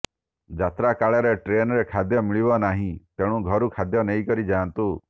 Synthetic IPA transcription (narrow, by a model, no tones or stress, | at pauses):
d͡ʒat̪ɾakaɭɔɾeʈɾenɔɾekʰad̪jɔmiɭibɔnaɦĩt̪eɽ̃ũɡʱɔɾukʰad̪jɔneĩkɔɾid͡ʒaːnt̪u